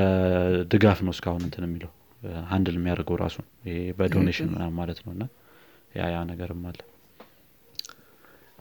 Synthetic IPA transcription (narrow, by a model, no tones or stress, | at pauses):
d̪ɨɡafnəwskʰahunɨnt̪ʰɨnɛmːiləh | hand̪lmːijaɾəɡəwɾʔa̰sun | ɪhebəd̪o̞neʃɪnmɨ̰nammalət̪nəwɨnːa | ja̰janəɡəɾɨmːalːə